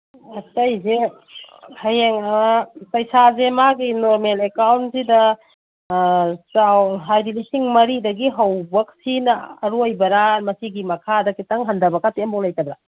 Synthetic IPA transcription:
ɐtɐjze | hɐjeŋapɐjsazemaɡinoɾmelekawntsidɐ | sawɦajdilisiŋmɐɾidɐɡiɦɐwbɐk̚sinɐːɾojbɐɾamɐsiɡimɐkʰadɐkitɐŋɦɐndɐbɐkatembɔŋlajtɐbɾa

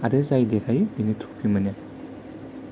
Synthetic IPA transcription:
aɾezajdeɾʰajdinitʰu̥pʰimɐne

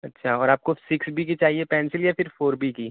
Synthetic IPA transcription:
ɐtːʃʰaɔːɾaːp̚kosɪksbʱik̬it͡ʃaːɦiepɛːnsɪljafɪɾfoːɾbʱikiː

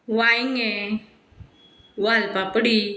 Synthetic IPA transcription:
waiŋɛ̃ | waːlpapəɽi

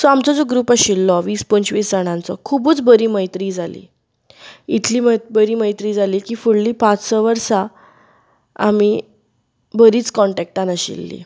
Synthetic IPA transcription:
sɔamt͡sɔd͡zɔɡɾuːpaɕilːɔʋiːspənt͡ɕʋiːsd͡zaɽ̃ãnt͡sɔkʰubuːt͡sbəɾiːməjt̪ɾiːd͡zʱalḭː | it̪ʰliːməbəɾiːməjt̪ɾiːd͡zʱaliːkiːfuɽliːpãt͡ssɔʋəɾsa | a̰mi | bəɾiːt͡skɔɳʈɛk̚ʈanaɕḭlːḭ

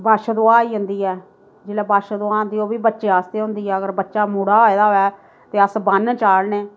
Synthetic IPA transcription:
baːʃəd̪oaːiːɦʊnd̪iːɛː | d͡ʒeːlɛːbaːʃd̪ʊaːɦnd̪iːoːbiːbətːʃeːaːst̪eːɦʊ̃nd̪iːɦɛːəɡəɾbətːʃaːmuːɽaːɦoːeːd̪aːɦoːɛː | t̪eːəsbənt͡ʃaːlneː

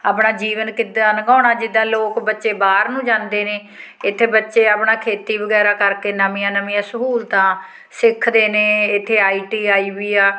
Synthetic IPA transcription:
aːpɳaːd͡ʒiːʋənkɪd̪aːnɡɔ̃ːɳaːd͡ʒɪd̪ːãːloːkbətːʃeːbaːɾnũːd͡ʒãːnd̪eːneː | ɪt̪ʰːeːbətːʃeːaːpɳaːkʰeːt̪iːbəɡɛːɾaːkəɾkeːnəmĩːãːnəmĩːãːsəɦuːlt̪ãː | sɪkʰd̪eːnẽːɪt̪ʰːeːaːiːʈiːaːiːbiːaː

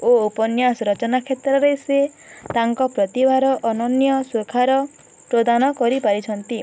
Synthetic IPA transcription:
oupɔnjasɔɾɔt͡ʃɔnakʰet̪ɾɔɾese | t̪aŋkɔpɾɔt̪ibʱaɾɔʔɔnɔnjɔsokʰaɾɔ | pɾod̪anɔkɔɾipaɾit͡ʃʰɔnt̪i

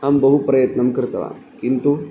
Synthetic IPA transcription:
ambəɦupɾɐjət̪nəmkəɾt̪ɐʋa̰kint̪u

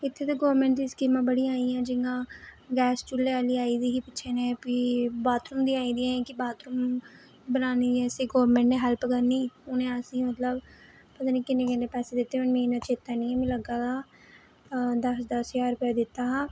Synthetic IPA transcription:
ɪt̪ʰːeːt̪eɡoːɾmẽɳʈd̪iːskiːmãːbəɽiaːiːãːd͡ʒɪŋɡãːɡɛːst͡ʃʊlːeːaːliːaːiːd̪iːkipɪːʃʰeːneːpibaːt̪ɾʊmd̪iːaːĩːd̪iːãːkɪbaːt̪ɾʊm | bənaːniːɛːseːɡoːəɾmẽɳʈnẽːɦɛlpkəɾniːʊnẽːəsĩːmət̪ləb | pət̪aːniːkɪnẽːkɪneːpɛːseːd̪ɪt̪ːeʊnmĩːnãːt͡ʃeːt̪ːanĩːɛ̃mĩːləɡaːɡaː | d̪əsd̪əsjaːɾʊpjɛd̪ɪt̪ːaːɦãː

